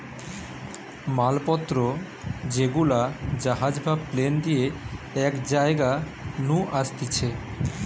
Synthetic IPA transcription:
malpɔt̪ːɾo | d͡ʑeɡulad͡ʑaɦad͡ʑbʱabplend̪ie | ɛkd͡ʑaeɡa | nũʔaʃt̪it͡ɕʰe

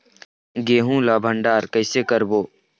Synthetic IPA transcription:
ɡeːɦũlaːbʱəɳɖaːɾkəɪsekəɾboː

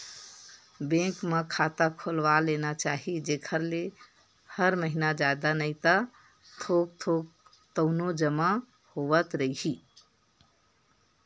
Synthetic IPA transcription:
bẽkməkʰat̪akʰolʋalenat͡ʃaɦid͡ʒekʰəɾle | həɾməɦinad͡ʒad̪anəjt̪ə | t̪ʰok̚t̪ʰok̚ | t̪əʊnod͡ʒəma | hoʋət̪ɾəiɦi

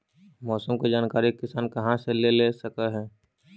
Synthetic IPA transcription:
mɔːsəmked͡ʒaːnkaːɾikːɪsaːnkɐɦãselelesəkəɦɛː

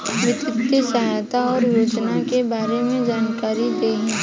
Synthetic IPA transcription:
ʋɪt̪ɪt̪ːisɐɦajt̪aɔːɾjoːd͡ʒnakebaːɾemẽd͡ʒaːnkaːɾid̪eːɦĩː

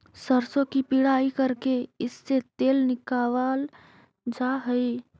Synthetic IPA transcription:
səɾsõkipiɽaikəɾkeɪsːet̪eːlnɪkaːwal | d͡ʒaɦəi

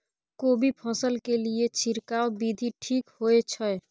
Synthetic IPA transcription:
kobʱipʰəsəlkeliet͡ʃʰiɾkaobid̪ʱiʈʰikhoet͡ʃʰə

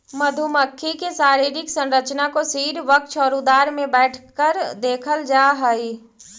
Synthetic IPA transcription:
məd̪ʱuməkʰːikesaːɾiːɾɪksə̃nɾət͡ʃnakosiːɾʋək̚ʃɔːɾud̪aːɾmẽbɛːʈʰkəɾd̪eːkʰəld͡ʒaːɦəi

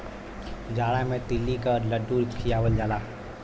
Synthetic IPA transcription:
d͡ʒaːɽamẽt̪ɪlːikələɖuɾkʰijaʋəld͡ʒaːlaː

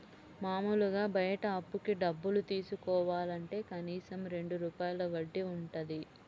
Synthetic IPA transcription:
maːmuluɡaːbɐjɐʈɐːpːukiɖɐbːulut̪iːsukɔːʋaːlɐɳʈe̞ːkɐniːsɐmɾe̞ɳɖuɾuːpaːjɐlɐʋɐɖːiuɳʈud̪i

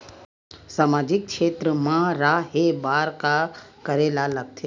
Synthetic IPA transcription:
saːmaːd͡ʒɪk̚ʃeːt̪ɾəmãɾaɦebaːɾkakəɾeːlalɐɡ̚t̪ʰeː

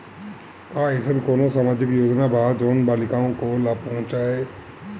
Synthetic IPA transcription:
kaesənkoːnosaːmaːd͡ʒɪkjoːd͡ʒnabʱad͡ʒoːnbaːlikaõkolaːpɐɦɔ̃t͡ʃaːɦe

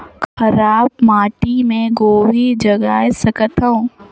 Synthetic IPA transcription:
xxɐɾaːbmaːʈimẽɡoːʋid͡ʒɐɡaːjesɐkət̪ɦəũ

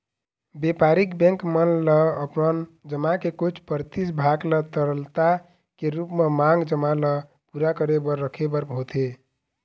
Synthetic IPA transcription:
bepaɾikbɛ̃ŋkmənləːpnənd͡ʒəmakekot͡ʃʰpəɾt̪isbʱaɡlət̪əɾəlt̪a | keɾupmemãŋɡd͡ʒəmalə | puɾakəɾebəɾːəkʰebəɾbʱot̪ʰe

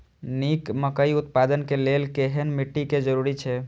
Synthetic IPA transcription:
nikməkəiut̪̚pad̪ənkelelkeɦenmiʈːiked͡ʒəɾuɾit͡ʃʰɛ

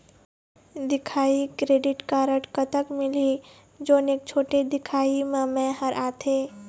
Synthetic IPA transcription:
d̪ɪkʰaːikɾeːɖɪʈkaːɾəʈkət̪əkmɪli | d͡ʒoːneːk̚t͡ʃʰoːʈed̪ɪkʰaːimẽmẽɦəɾʔaːt̪ʰeː

